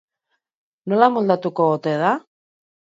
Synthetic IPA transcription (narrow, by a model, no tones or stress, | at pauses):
no̞lamold̪at̪uko̞ot̪eð̞a